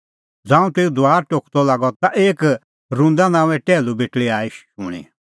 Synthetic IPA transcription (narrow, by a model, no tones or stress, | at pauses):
d͡zãːũt̪eːud̪ʊaːɾʈokʰt̪ɔlaːɡɔt̪aʔeːk | ɾũnd̪anãːũɛ̃ʈɛːlubeʈɭiaːiʃʃʊɽ̃ḭ